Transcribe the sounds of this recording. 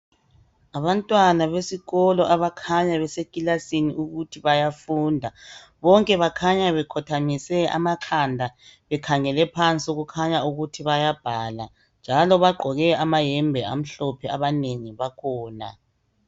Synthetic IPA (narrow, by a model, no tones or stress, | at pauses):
aβantʼwanaβesiɣɔlɔʔaβakʰaɲaβɛsekʼilasiniuɣutʰiβajafuːndʱa | βɔŋkʼɛβakʰaɲaβɛkʰɔtʰamisɛa̰maǁʰandʱaβɛkʰaŋɛlɛpʰant͡sʼiuɣukʰaɲauɣutʰiβajab̥ʱaːla | nd͡ʒʱalɔβaɡ͡ǃʱɔɣɛamajɛmbʱɛam̩ɬɔpʰɛaβaneŋiβakʰɔːna̰